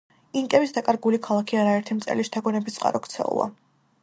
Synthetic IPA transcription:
iŋkʼɛbisd̪akʼaɾɡulikʰalˠakʰiaɾaɛɾt̪ʰimt̪sʼɛ̰liʃt̪ʰaɡɔnɛbit̪sʼqʼa̰ɾɔkt̪sʰɛ̰ṵlˠa̰

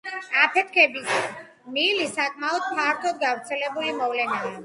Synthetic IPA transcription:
apʰɛt̪̚ʰkʰɛbis | milisakʼmaɔd̪maɾt̪ʰɔd̪ɡavɾt̪sʰɛlɛbulimɔvlɛnaː

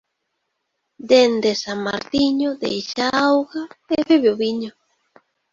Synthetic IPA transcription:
d̪end̪esama̰ɾt̪iɲʊd̪ḛjʃaawɣaeβeβeoβiɲʊ

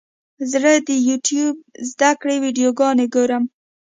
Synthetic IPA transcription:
zɾəd̪əjuʈjub̚zd̪akɽewiɖijoɡɑneɡoɾəm

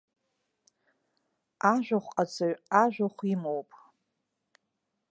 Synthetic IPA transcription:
aʒᶣʷaχʷqʼad͡zʰaɥaʒᶣʷaχʷimowpʼ

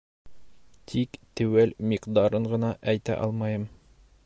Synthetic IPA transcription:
t̪ʰikt̪ɘ̆wælmiqd̪ɑɾɤɴɢɤ̆nɑʔæjt̪æ̰ʔɑ̰lˠmɑjɤm

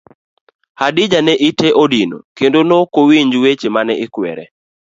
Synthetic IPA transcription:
hadɪd͡ʒanɛʔiteʔodino̰kendonokowiɲd͡ʒwet͡ʃemanɛɪkwɛ̰ɾɛ

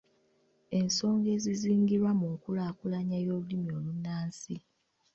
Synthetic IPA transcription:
e̞nso̞ːŋɡe̞ːziziːŋɡiɾwamukulaːkulaɲajo̞ːlulimio̞ːlunːaːnsi

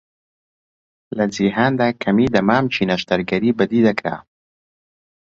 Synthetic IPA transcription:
lad͡ziɦand̪akʰamid̪amaːmt͡ʃinaʃt̪aɾɡaɾibad̪id̪akɾa̰

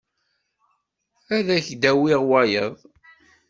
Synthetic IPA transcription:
æðæçd̪æwiʁwæjəðˤ

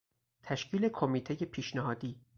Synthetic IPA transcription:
t̪ʰæʃcʰiːle̞kʰomiːt̪ʰeje̞pʰiːʃneɦɒːd̪iː

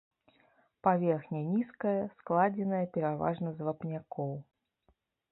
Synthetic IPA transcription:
pavʲerxnʲənʲiskəjɐsklˠad͡zʲɪnəjəpʲɪɾava̰ʐnəzvɐpnʲakɔw

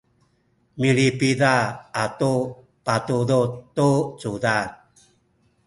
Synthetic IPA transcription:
milipidaːtu | patudut̪ːut͡sudan

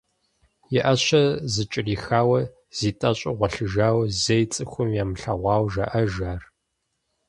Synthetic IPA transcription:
jɛʔɐɕɐzɨt͡ʃʼɪriːxaːwɐ | z̥iːtʼɐɕʼɪʁʷɐɬɨʒaːwzɐjt͡sʼɨxʷʊmjaːmɬɐʁʷɑːwʒɐʔɐʒaːr

